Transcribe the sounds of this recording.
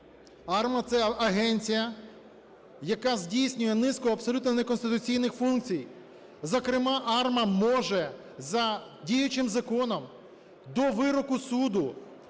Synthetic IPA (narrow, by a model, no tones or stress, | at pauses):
ɑrmɐt̪sɛɐɦɛnʲt͡sʲijɐ | jɐkɑzʲdʲijsʲnʲʊjɛnɪskɔɐbsɔlʲut̪nɔnɛkɔnst̪ɪt̪ʊt͡sʲijnɪxfunk̚t͡sʲij | zɔkɾɪmɑʔɑrmɐmɔʒɛ | zɐdʲijʊt͡ʃɪmzɐkɔnɔm | d̪ɔʋɪɾɔkʊsud̪ʊ